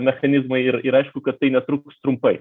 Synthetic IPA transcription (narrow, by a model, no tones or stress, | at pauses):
mʲɛxɐnʲizmɐɪɾiɾɑjʃkʊkɐt̪̚t̪ːɨɪnʲɛt̪ɾukst̪ɾʊmpɐɪ